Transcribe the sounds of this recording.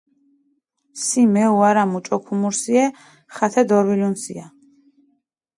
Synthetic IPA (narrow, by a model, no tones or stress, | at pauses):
simɛuaɾamut͡ʃʼɔkʰumuɾsiɛ | χat̪ʰɛd̪ɔɾwilunsḭa